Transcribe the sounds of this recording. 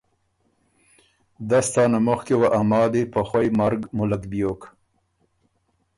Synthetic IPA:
d̪ast̪ɑːnamʊxkewaʔamɑːd̪epaxwajmaɾɡmʊlakbjok

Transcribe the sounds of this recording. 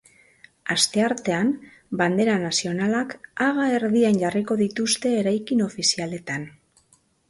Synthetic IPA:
ast̪e̞aɾt̪e̞an | band̪e̞ɾanasio̞nalakaɣae̞ɾðianɟariko̞ðit̪ust̪e̞ːɾajkino̞fisiale̞t̪an

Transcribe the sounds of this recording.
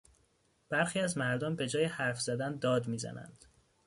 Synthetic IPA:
b̥æɾxiːæzmæɾd̪ɒmbe̞d͡ʒɒːjehæɾfz̥æd̪ænd̪ɒːd̪miːzæ̰næ̰nd̪̥

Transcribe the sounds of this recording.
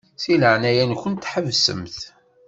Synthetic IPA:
siləʕnæjænçənt̪ːħəvsə̰mθ

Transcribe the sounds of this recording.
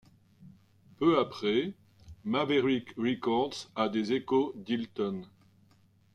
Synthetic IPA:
pøapχɛ | mavɛʁikʁɛkɔʁd̪sad̪ezekod̪ilt̪ɔn

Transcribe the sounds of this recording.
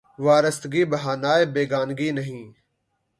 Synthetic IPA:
ʋaːɾəst̪ɡiːbəɦaːnaːebeːɡaːnɡiːnəɦĩː

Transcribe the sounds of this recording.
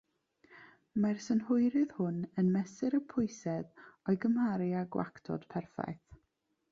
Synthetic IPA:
marsənhʊjɾɨð̥hʊnənmɛsɨɾəpʰʊɨsɛðɔɨɡəmaɾɪaɡwa̰ktʰɔ̰d̥pʰɛrfa̰jθ

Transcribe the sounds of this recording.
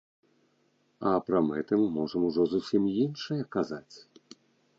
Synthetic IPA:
ɐpɾɐmɛt̪ɨmːɔʐɐmuʐɔzusʲimjinʂɐjɐkazat͡sʲ

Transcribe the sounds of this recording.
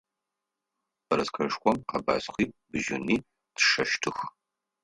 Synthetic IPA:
bɐɾɐskʰɐʂkʷʼɔmqɐba̰ːsχʷiːbɨʒɪ̰niː | tʰʂɐʃtʰɨx

